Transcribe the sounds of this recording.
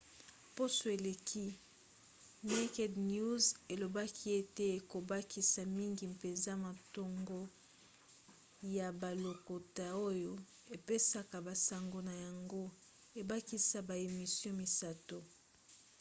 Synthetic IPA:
po˦so˨e˨le˨kʰi˦ | ne˦kɛ˦dnju˦ze˨lo˨ba˦kʰi˦e˦te˦e˨ko˨ba˦ki˦sa˨mi˦ŋɡi˨mpe˨nza˦ma˨to˨ŋɡo˦ | ja˨ba˨lo˨ko˨ta˨o˦jo˨ | e˨pe˦sa˦ka˨ba˨sa˨ŋɡo˨na˨ja˨ŋɡo˦ | e˨ba˦ki˦sa˨ba˨e˨mi˨sjɔ̃˦mi˨sa˦to˨

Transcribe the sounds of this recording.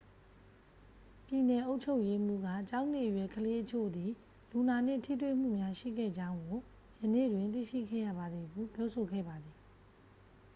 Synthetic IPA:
pji˨nɛ˨ʔo˦ʊt͡ɕʰo˦ʊʔje˦m̥ṵ˦˨ɡa̰˦˨t͡ɕã˦ʊ̃nḛ˦˨ʔəjwɛ˨kʰəle˦ʔət͡ɕʰo̰˦˨d̪i˨ | lu˨na˨n̥ɪ̰̃˦˨tʰḭ˦˨t̪wḛ˦˨m̥ṵ˦˨mja˦ʃḭ˦˨ɡɛ̰˦˨d͡ʑã˦ʊ̃ŋɡo˨ | jənḛ˦˨dwɪ̃˨nt̪̬ḭ˦˨ʃḭ˦˨ɡɛ̰˦˨ja̰˦˨ba˨d̪ði˨ɡu˦˨pjɔ˦so˨ɡɛ̰˦˨ba˨d̪ði˨

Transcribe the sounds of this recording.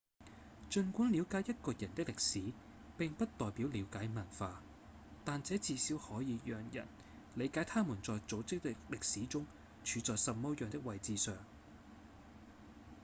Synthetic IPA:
t͡ʃɵ˧nkʷu˨˥nli˨˧wkaː˨˥jɐ˥t̚kɔː˧jɐ˨˩nt̪ɪ˥k̚lɪ˨k̚siː˨˥ | pɪ˨ŋpɐ˥t̚t̪ɔː˨jpiː˨˥wliː˨˧˥wkaː˨˥jmɐ˨˩nfaː˧ | t̪aː˨nt͡sɛː˨˥t͡siː˨˧siː˨˥whɔː˨˥jiː˨˧jœː˨˩ŋjɐ̰˨˩n | le˨˧jkaː˨˥jt̪ʰaː˥muː˨˩nt͡sɔː˨jt͡so˨˥wt͡sɪ˥k̚llɪ˨k̚siː˨˥t͡sʊ˥ŋ | t͡ʃʰyː˨˧t͡sɔː˨jsɐ˨t̚mɔː˧˥jœː˨ŋt̪ɪ˥k̚wɐ˨jt͡siː˨˧sœː˨ŋ

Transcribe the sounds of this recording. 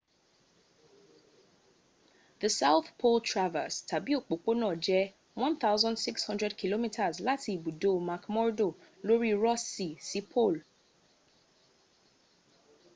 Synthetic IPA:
ðə˨sa˦ʊθpʰo˦ltʰɹa˦və̰˨stʰa˨bi˦o˨k͡po˨k͡po˦nɔ̃˨d͡ʒɛ˦ | wɔ̃˦nθa˦ʊzɔ̃ndsɪ˦kshɔ̃˦ndɹɛ˦dkʰi˨lo˦mi˦tʰa˨zla˦tʰi˨bu˨do˦˨mã˨kmɔ˦ɹdo˨lo˦ɹi˦ɹɔ˦si˨si˨pʰo˦˨l

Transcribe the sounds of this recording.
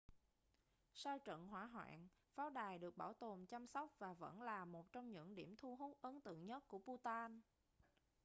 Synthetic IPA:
sa˧wt͡ɕə̰˧˨nɦwaː˧˩ɦwa̰ː˧˨n | faː˨˦wɗaː˨˩jɗɨ˨˩ək̚ɓaː˧˩wt̪o˨˩mt͡ɕa˧msɔ˦˥wk͡p̚vaː˨˩və̰˧˥nlaː˨˩mo˨˩t̚t͡ɕɔ˧wŋ͡mɲɨ̰˧˥ŋɗi˧˩əmt̪ʰu˧ɦu˦˥k̚ʔə˨˦nt̪ɨ̰˧˨əŋɲə˦˥t̚ku˧˩əpu˧t̪aː˧n

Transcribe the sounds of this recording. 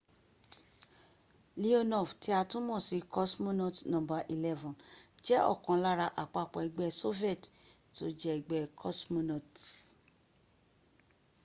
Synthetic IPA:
li˦o˦nɔ˦˨fti˨˦a˧tũ˦mɔ̃˦˨si˧kɔ˦smũ˦nɔ̃˦˨tnɔ̃˨ba˧ʔi˨lɛ˦vɔ̃˨d͡ʒɛ˦ʔɔ̰˦˨kã˨la˦ɾa˧ʔa˨k͡pa˧˨k͡pɔ˨ɛ˨˧ɡ͡bɛ˧so˦vi˦ɛ˦˨t | to˨˦d͡ʒɛ˦i˨ɡ͡bɛ˦kʰɔ˦smũ˦nɔ˨t

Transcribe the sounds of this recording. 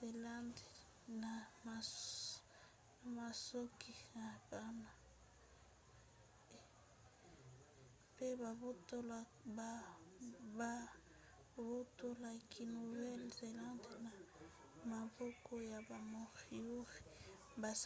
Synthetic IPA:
ze˨la˦nde˨ | na˨ma˨ | na˨ma˨so˦ki˨na˨ba˦na˨ | pe˦ba˨o˦to˦l | ba˨ | ba˦ | bo˦to˦la˨kʰi˨nu˨vɛ˦lze˨lã˦nde˨na˨ | ma˨bɔ˦kʰo˦ja˨ba˨mo˨ʁi˦u˦ʁi˨ | ba˨s

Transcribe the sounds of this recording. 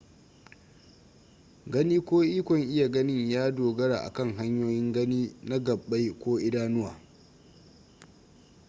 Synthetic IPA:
ɡɐ˦niː˦kʷoː˦ʔiː˦kʷɔ˨ŋʔɪ˦ja˨ɡɐ˦nɪ˦ɲjaː˦doː˨ɡɐ˦ɾa̰ː˨ʔa̰˨kɐ˦˨ŋɦa˦ɲjoː˦jɪ˦ŋɡɐ˦niː˦na˦ɡɐ˨ɓːa˦jkʷoː˦ʔɪ˦daː˦nʊ˦wa̰ː˨

